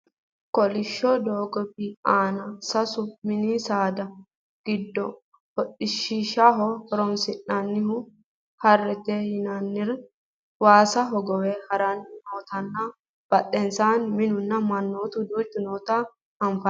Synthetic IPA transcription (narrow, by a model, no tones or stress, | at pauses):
kɔlɪʃːɔd̪oːɡɔbɪaːnɐsɐsʊmɪnisaːd̪ɐ | ɡ̥ɪd̪ːɔ | hɔtʼɪʃiʃaɦɔhɔɾɔnsɪnːɐnːɪhʊ | hɐrːɛt̪ɛjɪnɐnːɪɾ | waːsɐɦɔɡɔwɛhɐɾɐnɪnoːt̪ɐnːɐ | b̥ɐtʼːɛnsaːnmɪnʊnːɐmɐnːoːt̪ʊd̪uːd̪ʊnoːt̪ɐ | ɐnfɐ